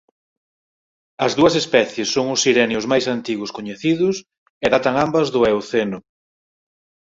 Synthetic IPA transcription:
ɐzðuɐsespɛθjesːoŋʊsiɾɛneʊzmajsant̪iɣʊskoɲeθiðʊs | eðat̪ɐŋambɐzðʊewθenʊ

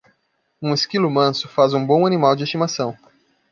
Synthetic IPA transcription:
ũeskilʊmɐ̃sʊ̥fazũbõw̃animawd͡ʒɪist͡ʃimasɐ̃w̃

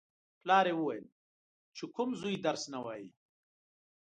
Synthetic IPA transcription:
plɑːɾewuwajəl | t͡ʃekʊmzujid̪ɐɾsnawaːji

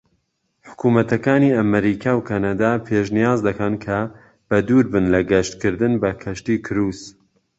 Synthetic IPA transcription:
ħʊ̥kuːmɐt̪ɐkaːniːɐmɐɾiːkʰawkʰanad̪aːpʰeʃnijaːzd̪ɐkʰɐnkʰɐ | b̥ɐd̪uːɾbɨnlɐɡɐʃt̪kɨɾd̪ɨnbɐkʰɐʃt̪iːkʰɨɾuːz

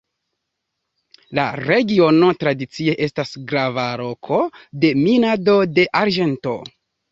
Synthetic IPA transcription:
la̰ɾe̞ɡio̞no̞tɾadit͡sie̞ʔe̞stasɡɾavalo̞kʰo̞de̞minadode̞ʔaɾʒe̞nto̞̰

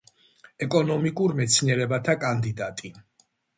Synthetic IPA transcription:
ɛkʼɔnɔmikʼuɾmɛt̪sʰniɛɾɛbat̪ʰakʼand̪id̪at̪ʼi

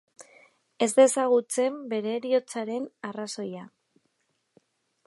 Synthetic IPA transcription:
e̞zd̪e̞saɣ̞ut͡se̞mbe̞ɾe̞ɾio̞t͡saɾe̞naraso̞ja

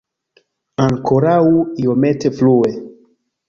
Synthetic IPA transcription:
aŋkʰoɾauiometeflue

